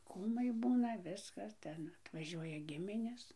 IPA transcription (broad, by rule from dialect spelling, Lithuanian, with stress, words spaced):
ˈkuːmɐɪ ˈbuːnɐ ˈʋʲɪskɐs ˈtʲɛn ɐtʋɐˈʒʲuɔjɛ ˈɡʲɪmʲɪnʲeːs